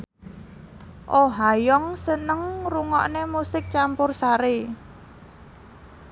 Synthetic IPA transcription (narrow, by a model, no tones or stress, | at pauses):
ʔoɦajɔŋsənəŋruŋɔʔnemusɪk̚t͡ʃampʊrsaɾe